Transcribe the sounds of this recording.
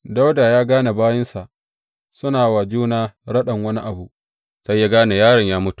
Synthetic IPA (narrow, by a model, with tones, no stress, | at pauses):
da˦wda˨jaː˦ɡaː˦na˨baː˦jɪ˦nsa˨ʔ | sʊ˦naː˨wa˨d͡ʒuː˦naː˦ɽɐ˦ɗɐ˨ŋwɐ˦ni˦ʔa˨bu˨ | sa˦jːa˦ɡaː˦na˨jaː˦ɽɪ˨ɲjaː˦mʊ˦tu̥˨ʔ